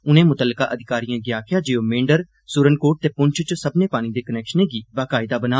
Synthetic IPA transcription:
ʊnẽːmʊt̪əlːka̰ːʔəd̪ʱɪkaːɾijãːɡjaːkʰɪjaːd͡ʒeːoːmẽːɳɖəɾ | sʊɾənkoːʈ̚t̪eːpʊɲt͡ʃʰt͡ʃsəbnẽːpaːñiːd̪eːkənɛːkʃənẽːɡiːbaːkaːɪd̪aːbənaː

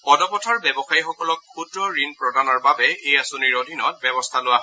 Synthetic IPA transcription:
ɔdɔpɔtʰaɹbɛbɔxajixɔkɔlɔk̚kʰudɹɔɹinpɹɔdanɔɹbabɛejasoniɹodʱinɔt̚bɛbɔstʰalʊwaɦɔ

